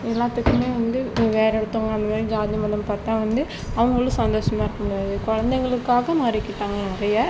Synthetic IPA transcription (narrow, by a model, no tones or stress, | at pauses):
ɛlːaːt̪ːɯkːɯmeːʋɐnd̪ɯʋeːɾɛɽɯt̪ːoːŋɡɐɐnd̪ɐmaːɾid͡ʒaːd̪ɪɐmɐlːɐmpaːɾt̪ãːʋɐnd̪ɯ | ɐʋɐŋɡɐɭɭkɯsɐnd̪oːʂɐmaːɪɾɯkːɐmʊɽjaːðɯkɔɻɐnd̪ɛŋɡɐɭɯkːaːɣɐmɐɾɪkːɪʈːaːŋɡɐnɪɾɐjɐ